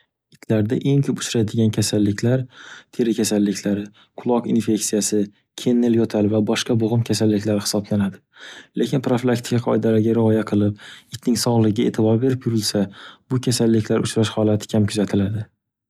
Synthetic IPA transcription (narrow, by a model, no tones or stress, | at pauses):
ɪt̪ʰlaɾd̪aʔe̞ŋkʰɵpʊ̥t͡ʃʰɾad̪ɪɡʲankʲʰasalːɪkʲʰlaɾt̪ʰe̞ɾɪkʲʰasalːɪkʲʰlaɾɪ | qʰʊlˠɒqinfe̞ksijasɪ | kʲʰe̞nːɪljɒt̪ʰalvabɒʃqɑboʁɨmkʲʰasalːɪkʲlaɾɪhɪ̥sɒblanad̪ɪlekʲɪnpɾoflˠakt̪ʰɪ̥kʲaqʰɒjɪd̪alaɾɡʲaɾɪɒjaqʰɨlˠɪp̚ɪt̪ʰnɪŋsɒʁlˠɪɡʲaḛt̪ʰɪbɒɾbe̞ɾɪpjʊɾɪlsabʊkʲʰasalːɪkʲʰlaɾʊt͡ʃɾaʃhɒlˠat̪ʰɪ̥kʲʰamkʰʊzat̪ʰɪlad̪ɪ